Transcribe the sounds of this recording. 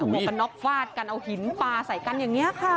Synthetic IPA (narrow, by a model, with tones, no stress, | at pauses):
a˧˩ɔː˨˩ka˧nːɔ˦˥k̚faː˥˩t̪̚ka˧nʔa˧whi˨˩˦npaː˧sa˨˩˦jka˧njaː˨˩ŋːi˦˥ɐkʰa˥˩